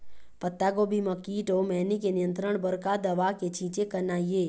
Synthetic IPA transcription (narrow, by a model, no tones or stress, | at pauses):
pət̪ːaɡobʱiməkːiʈomɛnikenijə̃nt̪ɾəɳ̃bəɾkad̪əʋaket͡ʃʰĩt͡ʃekənaije